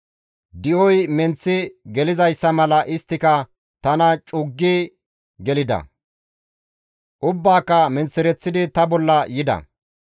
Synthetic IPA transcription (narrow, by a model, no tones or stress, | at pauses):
d̪ɪʔɔjmɛnt͡sːɪɡɛlɪzɐjsːɐmɐlɐʔɪst̪ːɪkɐ | t̪ɐnɐt͡ʃʼʊɡːi | ɡɛlɪd̪ɐ̰ | ʔʊbːaːkːɐmɛnt͡sːɪɾɛt͡sːɪd̪ɪt̪ɐbɔlːɐjɪd̪ɐ̰